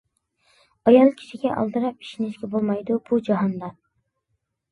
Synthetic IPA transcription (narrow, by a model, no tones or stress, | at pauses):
ɑjɑlˠkʲʰi̥ʃiɡʲɛʔɑ̰lˠd̪ɨɾɑp̚i̥ʃinɪʃkʲɛbolˠmɑjd̪ub̥ud͡ʒɑɦɑnd̪ɑ